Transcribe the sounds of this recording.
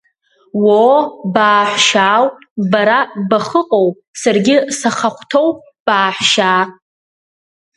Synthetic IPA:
wobaːħʷʃaːwbaɾabaχəqʼow | sarɡʲɪsaχaχʷtʰo̞w | b̥aːħʷʃaː

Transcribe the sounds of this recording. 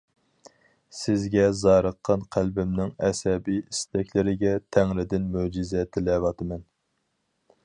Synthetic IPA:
sɪzɡʲɛzɑːɾəqʰːɑnqʰælbɪmnɪŋɛsɛbijisd̪ɛkʲlɪɾɪɡʲɛt̪ʰæŋlɪd̪ɪnmud͡ʒizɛt̪ʰɪlɛwɑt̪ʰɨmɛn

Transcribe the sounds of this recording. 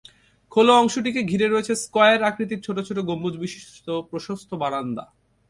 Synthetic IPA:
kʰoloɔŋʃoʈ̬ikeɡʱiɾeɾoet͡ɕʰeskɔeeɾakɾit̪̬iɾt͡ɕʰoʈot͡ɕʰoʈ̬oɡomːud͡ʑbiʃiʃt̪opɾoʃost̪ʰobaɽand̪a̰

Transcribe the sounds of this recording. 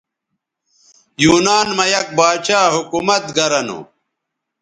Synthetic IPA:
juːnaːnmɐjɐk̚baːt͡ɕaːɦukumɐt̪̚ɡɐɾɐnṵ

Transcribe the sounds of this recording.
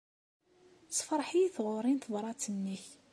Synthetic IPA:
sfɾˤħijiθʁʊɾˤinθðˤɾˤɑt͡sːənːiç

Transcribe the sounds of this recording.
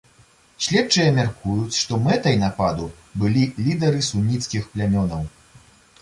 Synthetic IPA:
sʲlʲɛt͡ʂɨjɐmʲarkujut͡sʲʂt̪ɔmɛt̪ɐjnapad̪u | bɨlʲilʲid̪ɐɾɨsunʲːit̪skʲixplʲamʲɔnɐw

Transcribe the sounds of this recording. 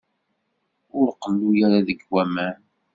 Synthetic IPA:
ʊɾqəlːujaɾaðəɡwæmæn

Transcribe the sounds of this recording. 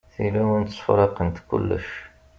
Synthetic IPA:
θilæwənt̪sˤfɾˤɑqənt̪kṵlːə̰ʃ

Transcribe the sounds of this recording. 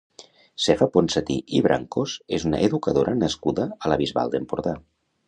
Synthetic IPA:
sefaponsət̪ḭʔiβɾʔa̰ŋkozezuna̰ʔeðukəðoɾʔənəskuðəːləβizβa̰lˠd̪empuɾða

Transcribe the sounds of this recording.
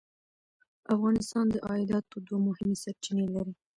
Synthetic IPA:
afɣɑnɪst̪ɑnd̪əʔɑɪd̪ɑt̪od̪wamʊhɪmesaɾt͡ʃinelaɾi

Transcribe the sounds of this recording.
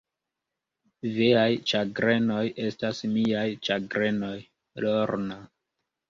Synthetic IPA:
veajt͡ʃaɡɾe̞no̞je̞stasmiajt͡ʃaɡɾe̞no̞j | loɾna

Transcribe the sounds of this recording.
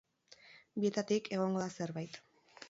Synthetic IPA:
bie̞t̪at̪ike̞ɣ̞o̞ŋɡo̞ðase̞ɾβajt̪

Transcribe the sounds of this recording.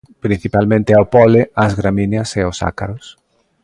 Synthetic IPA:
pɾin̟θipalmẽnt̪ɪawpɔleazɣɾamĩnjɐseosa̰kaɾʊs

